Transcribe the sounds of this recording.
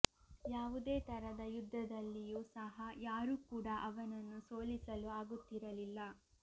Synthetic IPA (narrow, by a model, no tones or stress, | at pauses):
jaːʋud̪eːt̪ɐɾɐd̪ɐjud̪ʱːɐd̪ɐlːijusɐɦɐjaːɾuːkuːɽɐʔɐʋɐnɐnːusoːlisɐluaːɡut̪ːiɾɐlilːɐ